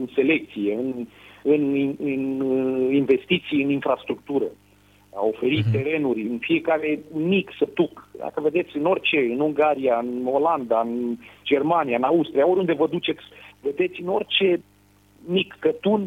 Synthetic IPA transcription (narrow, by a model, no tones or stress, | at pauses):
ɨnse̞le̞k̚t̪sije̞ɨnɨniɨninve̞st̪it̪sijɨninfɾast̪ɾuk̚t̪uɾə | a̰o̞fe̞ɾit̪ːe̞ɾe̞nurʲɨnfije̞kaɾe̞miksət̪ukd̪a̰kəve̞d̪e̞t̪sʲɨno̞rʲt͡ʃe̞ɨnuŋɡaɾijaɨno̞land̪aɨnd͡ʒe̞rmanijaɨnaust̪ɾijaoɾʲjund̪evəd̪ut͡ʃe̞t̪sʲve̞d̪et̪sʲɨno̞rʲt͡ʃe̞ | mikːət̪un